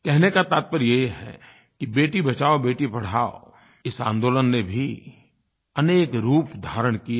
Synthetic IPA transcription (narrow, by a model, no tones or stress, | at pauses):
kɛɦnekat̪aːt̪̚pəɾjeɦiɦɛ̰ | kibeːʈibɐt͡ʃaːobeːʈipɐɽ̤aːo̰ | ɪsã̰ːnd̪oːlənːebʱi | ɐneːkɾuːpd̪ʱaːɾəɽ̃kia